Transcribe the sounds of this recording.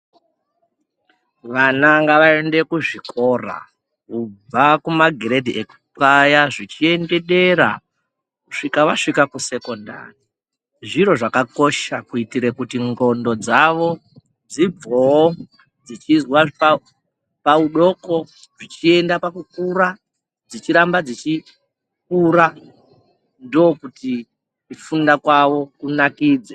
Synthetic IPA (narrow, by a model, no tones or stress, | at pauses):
ʋanaŋɡaʋae̞nde̞kuʐikʰo̞ra̰ | kuakumaɡʱeɾedʱiʔek | pajaʐit͡ʃie̞nde̞ɗe̞ɾa̰ | kuʂikaʋaʂikakuse̞ko̞nda̰ri | ʐiɾo̞ʐakako̞ʃakuitiɾekutiŋɡo̞ndo̞d͡zaʋo̞ | d͡zib͡vo | d͡zit͡ʃizwaʐpa | pauɗo̞ko̞ | ʐit͡ʃie̞ndapakukuɾa | d͡zit͡ʃiɾambad͡zit͡ʃi | kuɾa | ndo̞kuti | ifundakwaʋo̞kunakiːd͡ze